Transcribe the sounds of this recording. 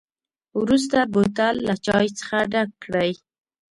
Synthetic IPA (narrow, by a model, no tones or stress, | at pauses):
wɾus̬t̪abot̪alːat͡ʃɑjt͡sə̥xaɖakːɽəj